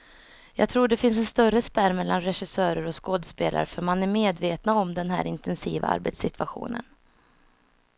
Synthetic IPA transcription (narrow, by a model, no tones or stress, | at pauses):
jɑːɡ̚t̪ʰɾuːɖɛfɪns̬ɛnst̪œɾəspæɾmɛlːanɾɛɧɪsœːɾəɾɔskoːd̪əspeːlʔa̰ɾəfœɾmanæɾmeːd̪veːt̪naɔmd̪ɛnɦæ̰ːɾɪnt̪ʰɛnsḭːva̰a̰ɾbɛ̰t̪sɪt̪ʰvaɧṵːnə̰n